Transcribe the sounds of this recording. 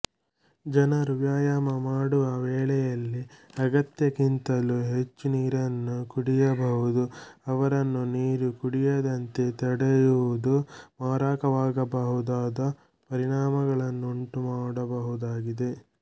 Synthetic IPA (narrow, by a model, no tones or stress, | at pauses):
d͡ʒɐnɐɾuʋjaːjamɐmaːɽuʋɐʋɛːɭɛjɐlːiɐɡɐt̪jɐkint̪ɐluɦe̞t͡ʃːuniːɾɐnːukuɽijɐbɐɦud̪uɐʋɐɾɐnːuniːɾukuɽijɐd̪ɐnt̪e̞t̪ɐɽɐjuʋud̪umaːɾaːkɐʋaːɡɐbɐɦud̪aːd̪ɐ | pɐɾiɳaːmɐɡɐɭɐnːuuɳʈumaːɽɐbɐɦud̪aːɡid̪e̞